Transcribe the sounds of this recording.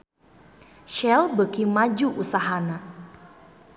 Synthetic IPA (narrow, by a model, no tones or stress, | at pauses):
ʃɛlbəkimad͡ʒuʔusaɦana